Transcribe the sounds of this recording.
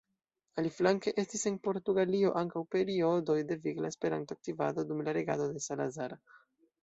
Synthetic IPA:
aliflaŋke̞ʔe̞stise̞npo̞ɾtuɡalio̞ʔaŋkawpe̞ɾio̞do̞jde̞viɡlaespe̞ɾa̰ntoak̚tivado̞dumlaɾe̞ɡa̰do̞de̞salazaɾ

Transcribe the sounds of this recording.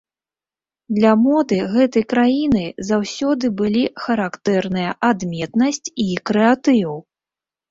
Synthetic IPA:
d̪lʲɐmɔd̪ɨɣɛt̪ɐjkɾajinɨzawsʲɔd̪ɨbɨlʲixɐɾakt̪ɛrnɨjɐʔad̪mʲɛt̪nɐsʲt͡sʲikɾɛat̪ɨw

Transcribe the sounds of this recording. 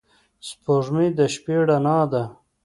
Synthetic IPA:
spoʐmid̪ɐɕpeɽanaːd̪a

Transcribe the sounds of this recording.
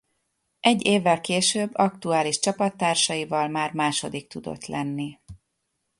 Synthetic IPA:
ʔɛɟːeːvːɛlkeːʃøːbːɒk̚t̪uaːliʃt͡ʃɒpɒt̪ːaːrʃɒjivɒlmaːrmaːʃod̪ik̚t̪ud̪o̰t̪lɛnːi

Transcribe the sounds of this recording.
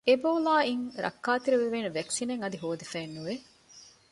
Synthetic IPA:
eboːlaːiŋɾɐ̰kːaːt̪iɾeʋeʋeːnuʋæksineŋɐd̪iɦoːd̪efɛːnːuʋe

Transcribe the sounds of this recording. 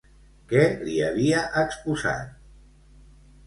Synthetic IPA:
kɛliaβiaʔəkspuza̰t̪̚

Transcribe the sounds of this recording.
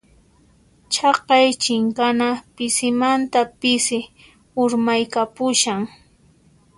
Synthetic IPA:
t͡ʃʰɑqɑjt͡ʃɪŋkanapɪsɪmant̪apɪsɪ | ʊɾmajkapʊʃaŋ

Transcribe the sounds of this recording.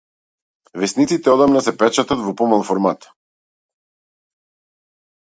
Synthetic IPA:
vɛsnit̪sit̪ɛɔd̪amnasɛpɛt͡ʃat̪at̪vɔpɔmalˠfɔɾmat̪

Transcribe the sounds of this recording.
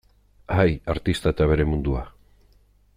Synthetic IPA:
hajaɾt̪ist̪ae̞t̪aβ̞e̞ɾe̞mund̪ua

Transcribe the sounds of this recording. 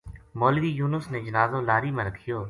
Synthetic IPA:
moːlʋiːjuːnəsneːd͡ʒənaːzõːlaːɾiːmẽːɾəkʰːɪjoː

